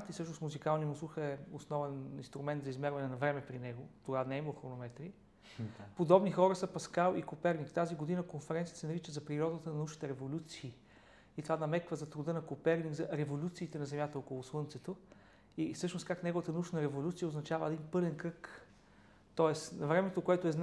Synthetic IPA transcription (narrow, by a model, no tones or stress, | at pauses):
t̪isɤʃnosmuzikalˠnimusˠuxəɛosnɔvɛnḭnst̪ɾumɛnt̪zɐizmɛɾvɐnɛnɐvɾɛmɛpɾinɛɡot̪oɡanɛiməlˠxɾonomɛt̪ɾi | pod̪ɔbnixɔɾəsəpɐskalˠikopɛɾnikt̪aziɡod̪inəkonfɛɾɛnt̪siət̪sɛnɐɾit͡ʃəzɐpɾiɾɔd̪ət̪ənɐnuʃni̥t̪ɛɾɛvolʲut̪siː | it̪ovanɐmɛkvəzɐt̪ɾʊd̪ɤnɐkopɛɾnikzɐɾɛvolʲut̪siːt̪ɛnɐzɛmʲjat̪əɔkolˠoslˠɤnt̪sɛt̪o | ifsɤʃnoskaknɛɡovət̪ənɐuʃnɐɾɛvolʲut̪sijəoznɐt͡ʃavəɛd̪inpɤlɛnkɾɤk | t̪ɔɛsnɐvɾɛmɛt̪okoɛt̪ʊɛzn